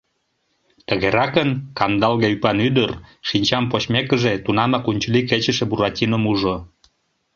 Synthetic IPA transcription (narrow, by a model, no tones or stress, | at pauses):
t̪əɣeɾɑkənkɑnd̪ɑlɣeypɑnyd̪ərʃinʲt͡ɕɑmpot͡ɕmekəʒet̪unɑmɑkunʲt͡ɕəliket͡ɕəʃĕbuɾɑtʲinəmuʒo